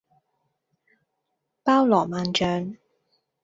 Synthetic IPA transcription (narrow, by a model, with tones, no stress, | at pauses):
paː˥wlɔː˨˩maː˨nt͡ʃœː˨ŋ